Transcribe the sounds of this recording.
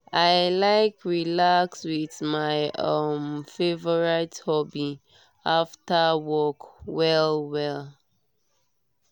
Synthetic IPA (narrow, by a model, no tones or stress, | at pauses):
aɪlaɪkɹilakswiθmaɪʌmfevɔɹathɔbi | aftəwɔkwɛlwɛl